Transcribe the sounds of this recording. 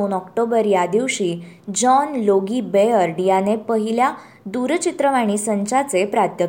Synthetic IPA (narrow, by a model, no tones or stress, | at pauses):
nɔkʈobəɾjad̪iʋɕiːd͡ʑɔnloɡiːbeəɾɖjanepəɦilja | d̪uɾt͡ɕit̪ɾəʋaɽ̃iːsəɲt͡ɕat͡sepɾat̪jə